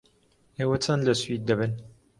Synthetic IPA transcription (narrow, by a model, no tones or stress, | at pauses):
eːwɐt͡sʰɐnlɐswid̪̚ːɐβɨn